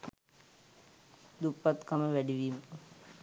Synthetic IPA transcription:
d̪upːat̪kaməʋæɖiʋiːmə

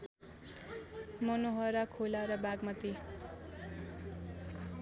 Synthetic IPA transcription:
mʌnoɦʌɾʌkʰolaɾʌbaɡmʌt̪i

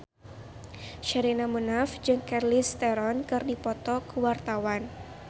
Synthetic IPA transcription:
ʃəɾinamunafd͡ʒɨŋkɛrlist̪ɛɾɔnkɨrdipɔt̪ɔkəwart̪awan

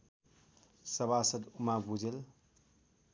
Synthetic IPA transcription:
sʌbasʌt̪umabud͡zel

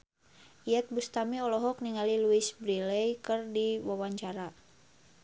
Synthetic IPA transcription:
ijɛt̪̚bust̪amiɔlɔɦɔk̚niŋaliluisbɾilɛjkɨrdiwawaɲt͡ʃaɾa

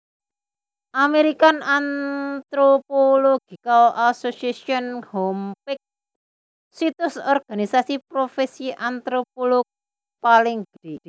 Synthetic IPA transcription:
ʔameɾikanant̪ɾopoloɡ̥i̤kalʔasosiesiɔnhɔmpɪk̚ | sit̪ʊsɔrɡ̥a̤nisasipɾofesiʔant̪ɾop̚olok̚ | palɪŋɡ̥d̥i

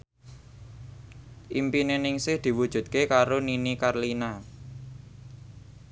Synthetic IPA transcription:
ʔimpinenɪŋsɪhd̪̥i̤wud̥ʒ̥ṳt̪̚kekaɾoninikarlina

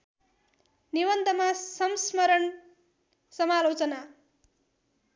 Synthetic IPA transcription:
niwʌnt̪ʌmasʌmsmʌɾʌn | sʌmalot͡sʌna

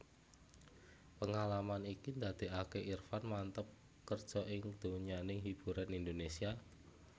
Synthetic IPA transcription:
pəŋalamanikind̪ad̪̥e̤ʔakeʔirfanmant̪əp̚ | kərd̥ʒ̥ɔ̤ʔɪŋd̪̥oɲanɪŋɦib̥ṳɾanind̪onesia

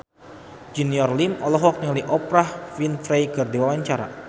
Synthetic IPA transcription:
d͡ʒiniɔrlimɔlɔɦɔk̚nŋaliʔɔpɾahfinfɾejkɨrdiwawaɲt͡ʃaɾa̰

